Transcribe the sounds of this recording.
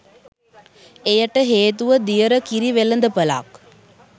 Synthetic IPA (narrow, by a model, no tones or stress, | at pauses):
ejɐʈːəɦeːt̪uʋəd̪ijəɾəkiɾiʋelːənd̪əpəla̰ːk